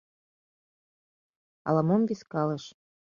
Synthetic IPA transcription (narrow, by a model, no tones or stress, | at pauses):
ɑ̰lɑmomviskɑlɤ̆ʃ